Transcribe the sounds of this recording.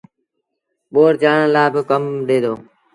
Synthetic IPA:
ɓoːɾd͡ʒaːɳə̃ːlaːbɪkəmɗeːd̪oː

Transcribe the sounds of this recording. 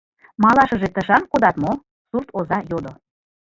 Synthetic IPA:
mɑlɑʃəʒet̪əʃɑnkod̪ɑt̪mo | surt̪ozɑjod̪o

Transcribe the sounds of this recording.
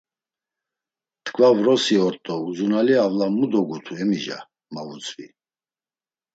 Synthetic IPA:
t̪kʰvavɾɔsiɔɾt̪ʼɔuzunaliavlamud̪ɔɡut̪ʰuɛmiʒa̰ | mavut͡sʼvḭ

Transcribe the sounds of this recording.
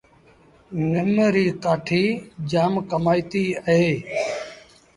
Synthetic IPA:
nɪmɾiːkaːʈʰiːd͡ʒaːmkəmaːiːt̪iːəɦeː

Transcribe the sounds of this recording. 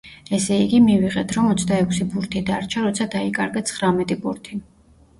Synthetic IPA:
ɛsɛiɡimiviʁɛt̪ʰɾɔmɔt̪sʰd̪aɛkʷʰsipʼuɾt̪ʰid̪aɾt͡ʃʰaɾɔt̪sʰad̪aikʼaɾɡat̪sʰχɾamɛt̪ʼipʼuɾt̪ʰi

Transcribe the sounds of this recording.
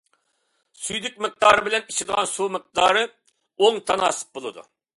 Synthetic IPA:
syjd̪ɪkʲmɪq̚d̪ɑːɾɨbɪlɛnit͡ʃʰid̪əʁɑnsumɨq̚d̪ɑːɾɨ | oŋt̪ʰɑnɑ̰ːsɨ̥p̚bolˠɨd̪ṵ

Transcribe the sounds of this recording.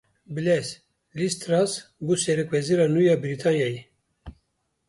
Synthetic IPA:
bɨlɛs | list̪ɾasbusɛɾɛkwɛziɾɑːnujɑːbiɾit̪ʰɑnjɑji

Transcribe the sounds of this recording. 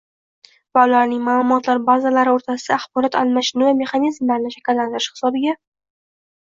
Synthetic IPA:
valaɾnɪŋmaːlˠʊmɒt̪laɾbazalaɾɪoɾt̪ʰasɪd̪̥aːχbɒɾɒt̪a̰lmaʃɪnɨvame̞χanizmlaɾnɪʃakʲɪlːant̪ɪɾɪʃhɪ̥sɒbɪɡʲa

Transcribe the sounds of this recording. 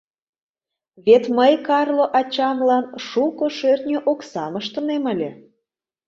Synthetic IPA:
βet̪məjkɑrloʔɑt͡ɕɑmlɑnʃukoʃørt̪nʲeʔoksɑməʃt̪ə̆nemə̆lʲĕ

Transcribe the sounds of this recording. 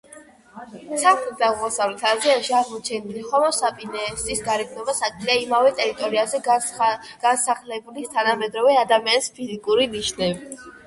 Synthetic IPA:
saχlit̪̚ʰd̪aʁmɔsavlɛt̪ʰaziaʃiaʁmɔt͡ʃʰɛniliχɔmɔsapʼinɛsisɡaɾɛɡnɔbasakʼliaimavɛt̪ʼɛɾit̪ʼɔɾiazɛ | ɡ̥ansaχlɛbulist̪ʰanamɛd̪ɾɔvɛad̪amianispʰizikʼuɾiniʃnɛbi

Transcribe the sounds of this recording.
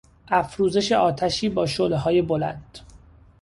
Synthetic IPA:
ʔæfɾuːze̞ʃe̞ʔɒːt̪ʰæʃiːbɒːʃoleɦɒːje̞bolæ̰nd̪̥

